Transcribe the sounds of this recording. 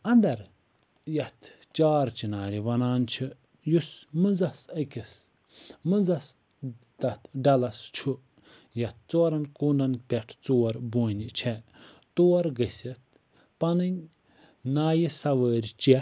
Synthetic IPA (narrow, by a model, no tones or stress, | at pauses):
ɐnd̪ɐɾ | jɐt̪ʰ | t͡ʃaːɾt͡ʃinaːɾiʋɐnaːnt͡ʃʰi | jusmɨnd͡zɐsɐkʲis | mɨnzɐs | d̪ɐt̪ʰɖɐlɐst͡ʃʰu | jɐt̪̚ʰt͡soːɾɐnkuːndɐnpʲɛʈʰt͡soːɾbuːnʲit͡ʃʰɛ | t̪oːɾɡɐsʲɐt̪̚ | pɐnɨnʲ | naːjisɐʋəːɾʲt͡ʃe